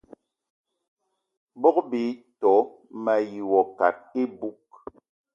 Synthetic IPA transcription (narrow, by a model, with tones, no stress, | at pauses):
bɔ˦kbi˨˦tɔ˨˦ | ma˨ji˨wɔ˨ka̰˨t̚e˦bu˦k̚